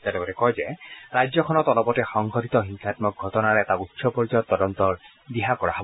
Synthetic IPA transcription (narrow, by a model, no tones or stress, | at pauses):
tɛlɛkɔtɛkɔjzɛɹajzɔkʰɔnɔtɔlɔpɔtɛxɔŋɡʱɔtit̪ɔɦiŋkʰatmɔk̚ɡʱɔtɔnaɹɛɛtautːsɔpɔɹizɔjɔtːɔdɔnt̪ɔɹ | diɦakɔɹa̰ɦɔb